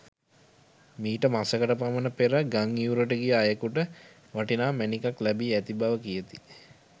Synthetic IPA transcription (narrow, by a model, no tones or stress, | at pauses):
miːʈəmasəkəʈəpamənəpeɾəɡaŋiuɾəʈ̬əɡijəajəkuʈə | ʋaʈinaːmænikaklæbiæt̪ibaʋəkijət̪i̥